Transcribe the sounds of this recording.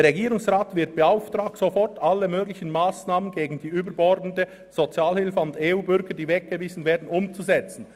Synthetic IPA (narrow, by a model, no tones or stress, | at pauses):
əɐʁɛɡiːɾʊŋsʁaːtv̥ɪɐt̚b̥əaʊftʁaːk̚tsofɔʁtʔalːəmøːɡlɪçən̩maːsnaːmənɡeːɡn̩diːyːbəbɔɾdn̩də | z̥ot͡sjaːlhɪlfəʊndeːuːbʏɾɡəd̥iːvɛk̚ɡ̥əviːzn̩veːɐdn̩ʊmt͡suzɛt͡sn̩